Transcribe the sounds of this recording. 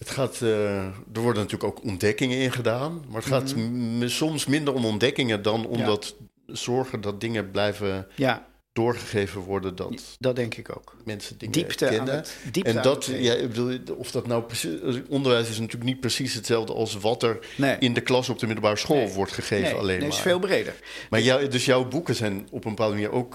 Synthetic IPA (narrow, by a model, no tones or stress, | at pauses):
ɦətχaːt | dəɹʋɔɹdənatyːɹləkowkɔndɛkɪŋənɪnχədaːnmaːɹətχaːtsɔmsmɪndəɹɔmɔndɛkɪŋədɑnɔ̰mdɑt | z̥ɔɹχəndɑt̚dɪŋəblɛjvəj | d̥ʊːɹχəχejvənʋɔɹdəndɑ̰tddɛŋkɪko̰wkmɛnsədɪŋəipːɛnədiɛndɑtjaɪ̰ɡ̚bəduːlˠɔfdɑtnawprəsiɔndəɹʋɛjs̬ɪsnatyːɹlək̚nit̚prəsisɦətsɛlˠfdə̰ʔɑ̰lˠsʋɑtɛɹ | nɪndəklɑsɔb̚dəmɪdl̩ˠbaːɹəsχolˠʋɔɹtχəχejvəɑ̰lejn̰felˠbrejdə̰ɹ | maːɹjdɵsjɔwbukəzɛjnɔpəmbəpaːdəməniːɹʔowk